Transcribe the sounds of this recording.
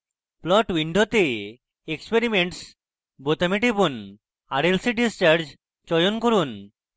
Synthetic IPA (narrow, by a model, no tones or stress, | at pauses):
plɔʈwiɳɖʱot̪e | ekspeɾimeɳʈs | bot̪amiʈ̬ipun | aɾelsiɖist͡ɕaɾd͡ʑ | t͡ɕɔjonkoɾun